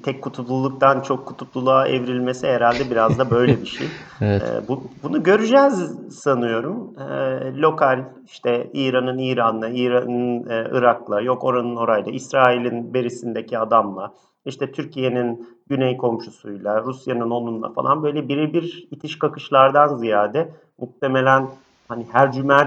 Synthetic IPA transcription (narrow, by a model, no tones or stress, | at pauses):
t̪ʰɛckːut̪ʰulˠulˠuk̚t̪ʰant͡ʃʰo̞kʰːut̪ʰut̪lˠulˠaːʔḛvɾilʲme̞siɦeɾalʲd̪ɛbiɾazd̪abø̞jlʲɛbiʃḛjɛ̰bubunuɟø̞ɾyd͡ʒɛzsanɯjo̞ɾumɛːo̞kʰalʲ | iʃt̪ʰɛiːɾanɯniːɾanːaiːɾanɯnɯ̰ɾaklˠaɾjo̞ko̞ɾanɯno̞ɾajlˠaʔisɾaːilʲinbe̞ɾisind̪ecʰiad̪amlˠa | iʃt̪ʰɛt̪ʰyɾcʰije̞ninɟynejkʰo̞mʃusujlˠaɾusjanɯno̞nund̪ˠa̰fa̰lˠa̰nbø̞jlʲɛbiɾibiɾit̪ʰiʃkakɯʃlˠaɾd̪anzijaːd̪ɛ | muk̚t̪ʰeme̞lʲæn | hanihæɾd͡ʒymæ